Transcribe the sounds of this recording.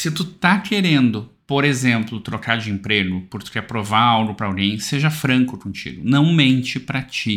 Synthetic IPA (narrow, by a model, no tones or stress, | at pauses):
sɪt̪ut̪akeɾẽnd̪ʊ | poɾezẽmplʊt̪ɾokad͡ʒɪĩmpɾeɡʊpʊɾt̪ʊ̥kɛɾpɾovaawɡʊpɾɐawɡẽj̃seʒɐfɾɐ̃ŋkʊkõt͡ʃḭɡʊnɐ̃w̃mẽnt͡ʃɪpɾɐt͡ʃi